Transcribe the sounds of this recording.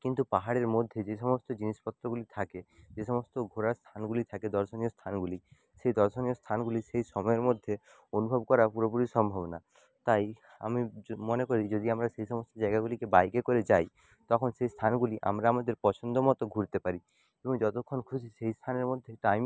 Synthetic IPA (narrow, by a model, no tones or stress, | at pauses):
kint̪upaɦaɽeɾmod̪ʱːjed͡ʒesɔmɔst̪ɔd͡ʒinispɔt̪ɾɔɡulit̪ʰaked͡ʒesɔmɔst̪ɔɡʱoɾaɾst̪ʰanɡulit̪ʰaked̪ɔɾsɔnijɔst̪ʰanɡuli | sejd̪ɔɾsɔnijɔst̪ʰanɡulisejsɔmɔjeɾmod̪ʱːje | onubʱɔbkɔɾapuɾɔpuɾisɔmbʱɔbɔna | t̪aj | a̰mimɔnekɔɾid͡ʒod̪iamɾaseisɔmɔst̪ɔd͡ʒajɡaɡulikebajkekɔɾed͡ʒaj | t̪ɔkʰɔnsejst̪ʰanɔɡuliʔa̰mɾaːmad̪eɾpɔt͡ʃʰɔnd̪ɔmɔt̪ɔɡʱuɾt̪epaɾi | ebɔŋd͡ʒɔt̪ɔkʰːɔnkʰusʰiseɦist̪ʰaneɾmod̪ʱjeʈajm